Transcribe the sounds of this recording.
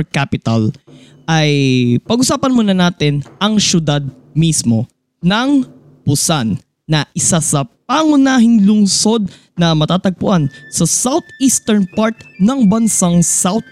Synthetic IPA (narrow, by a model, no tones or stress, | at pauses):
kapɪt̪ɐ̰l | ʔɐjpɐɡʊsaːpɐnmunɐnaːt̪ɪnʔɐŋʃjʊd̪ad̪̚ | mismo̞ | nɐŋ | pʊsanː | ɐʔɪsasɐpaŋʊnaːɦɪŋlʊŋso̞d̪̚ | nɐmɐt̪aːt̪ɐɡ̚pʊʔansɐsawt̪ʔist̪ɛɹnpaɹt̪nɐŋbɐnsaŋsawt̪̚